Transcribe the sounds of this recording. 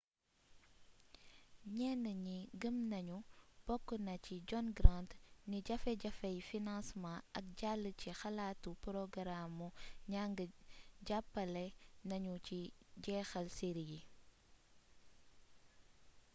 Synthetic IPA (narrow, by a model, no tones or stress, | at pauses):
ɲɛːnəɲiɡəmnɐɲub̥ɔkːənɐciɟɔnɡɾantniɟɐfɛɟɐfɐjfinãnsmãɐk̚ɟalːəcixɐlatupɾɔɡɾamuɲaŋɡəɟapːɐlɛnɐɲuciɟɛːxɐlsiɾiji